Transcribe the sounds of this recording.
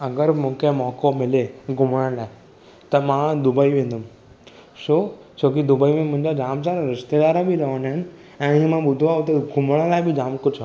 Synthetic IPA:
ɐɡəɾmũːkʰemɔːkomɪleɡʱʊmɽəɽlaːɪ | t̪ɐmãd̪ʊbəiʋẽːnd̪əm | soː | t͡ʃoːk̬id̪ʊbəimẽmʊ̃ɦɪ̃ɲd͡ʑad͡ʑaːmsaːɾãɾɪst̪ed̪aːɾãbiɾɐʋənɦɪn | ɛ̃ːɪ̃mãɓʊd̪ʱoaːɦot̪ɐɡʱʊmɽ̃ə̃laːɪbɪd͡ʒaːmkʊd͡ʒʰa

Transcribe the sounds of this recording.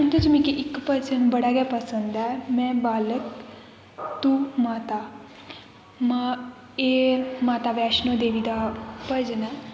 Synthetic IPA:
ʊnt̪et͡ʃmĩːkiʔɪkpəd͡ʒənbəɽaːɡɛːpəsənd̪ɛːmɛ̃ːbaːlək | t̪uːmaːt̪aː | m | eːmaːt̪aːʋɛːʃnõd̪eːʋiːd̪aːpəɾd͡ʒənɛː

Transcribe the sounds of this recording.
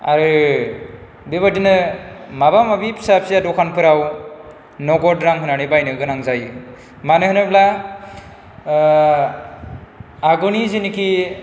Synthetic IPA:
a̰ɾɯ | beβadinɯmabamabipʰsap̚siadɔkʰanpʰɯɾaw | nɔɡɔdɾaŋɦɯnanibajnɯɡɯnaŋzaj | manɯhɯnɯbla | aɡɔniziniki

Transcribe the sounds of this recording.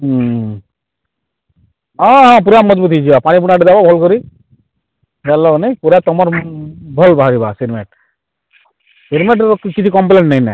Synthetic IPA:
ɦɔ̃ɦɔ̃p̬uɾamːɔd͡ʒbut̪ʰit͡ʃʰibapaɽ̃ip̬uɽ̃naʈedababʱɔlkɔɾi | d͡ʒalːɔɡnepuɾat̪ɔmɔɾbʱɔlbaɦaɾiba̰siɾmeʈ | siɾmeʈ̬kkit͡ʃʰikɔmp̬leɳʈnainɛ̰

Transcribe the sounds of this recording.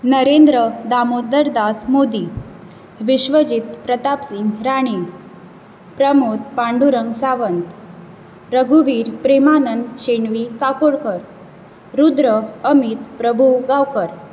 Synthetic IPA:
nəɾend̪ɾəd̪amod̪əɾd̪asmod̪i | ʋiɕʋəd͡ʑit̪pɾət̪apsiŋɡɾaɽ̃i | pɾəmot̪̚pãɳɖuɾəŋɡsaʋənt̪ | ɾəɡʱuʋiːɾpɾemanənɕeɳʋikakoɽkəɾ | ɾud̪ɾəəmit̪pɾəbʱuɡawkəɾ

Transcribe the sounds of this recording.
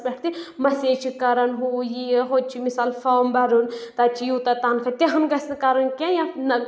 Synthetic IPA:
bɛʈ̚ʰt̪imɐseːt͡ʃʰikɐɾɐnɦujiɦoːd̪̚t͡ʃʰimisaːlfaːmbɐɾunt̪ɐːt͡ʃʰijuːt̪ɐt̪aːnkʰɐt̪ʲɐɦɐnɡɐsnkaɾɐnkʲãjanɐ

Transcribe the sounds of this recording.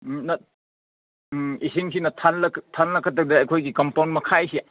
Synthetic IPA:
nɐ | isiŋsinɐtʰalɐtʰalnɐkʰːɐtːɐk̚dɐɐjkʰojɡikɐmpawnmɐkʰajsi

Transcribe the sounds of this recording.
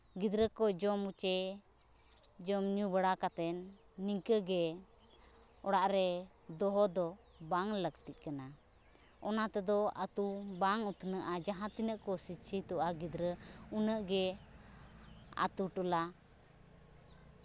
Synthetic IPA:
ɡid̪ɾəkɔd͡ʒɔmut͡ʃɛ | d͡ʒɔmɲubəɽakat̪ɛnː | iŋkəɡɛ | ɔɽaʔɾɛ | d̪ɔɦɔd̪ɔ | baŋləkt̪iʔ̪̚kana | ɔnat̪ɛd̪ɔat̪ubaŋut̪ʰnəʔad͡ʒaɦãt̪inəʔkɔsit͡ʃʰit̪uʔaɡid̪ɾə | unəʔɡɛ | a̰t̪uʈula

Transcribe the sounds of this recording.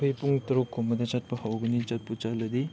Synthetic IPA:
pʰɯjpuŋtɐɾukʰːomɐdɐt͡ʃat̚pɐhawɡinit͡ʃat̚put͡ʃalɐdi

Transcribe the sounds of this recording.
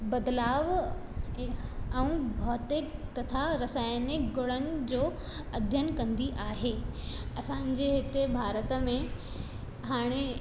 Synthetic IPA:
bɐd̪laːʋ | əũbʱɔːt̪ɪkt̪ɐt̪ʰaɾɐsaːjnɪkɡʊɽənɪ̆d͡ʑoː | ɐd̪ʱjənkɐ̃nd̪iʔaːɦeːɐsãːɲ̆d͡ʑeɦɪt̪ebʱaːɾət̪əmẽ | ɦaːɽ̃e

